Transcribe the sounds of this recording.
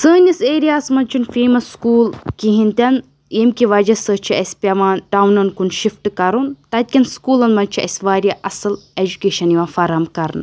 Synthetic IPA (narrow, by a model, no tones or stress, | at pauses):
səːnʲɐseːɾijaːsmɐnʲt͡ʃʰunfeːmɐsːkuːlkiɦint̪ʲɐn | eːmkʲiʋɐd͡ʒɐsət͡ʃʰiɐsʲpʲɐʋaːnɖawnɐnkunʃifʈɨkɐɾunt̪ɐt̪̚ʲkʲɐnskuːlɐnmɐnt͡ʃʰiɐ̰sʲʋaːɾʲjaʔɐsɨled͡ʒukeːʃɐniʋãːfɐɾɐmkɐɾnɨ̰